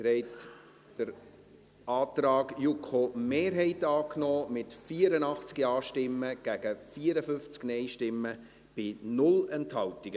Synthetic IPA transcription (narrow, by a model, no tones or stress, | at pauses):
ɾɛɪt | d̥əɾ | ʔɑːt̪rɑːɡjukχomeːɾɦɛɪtɑːknɔːmɪtfiːəɾənɑχt͡skiɑːʃtɪmːəɡ̥æɡ̥əfiːəɾəfʏnft͡sknɛɪʃtɪmːə | b̥ɪnʊlɛnthɑltiɡ̥ə